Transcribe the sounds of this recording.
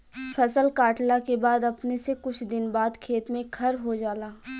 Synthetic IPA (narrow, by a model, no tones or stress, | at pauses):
fʰɐsəlkaːʈlakebaːd̪ɐpnesekʊt͡ʃʰd̪ɪnbaːd̪kʰeːt̪mẽkʰɐɾɦod͡ʒaːlaː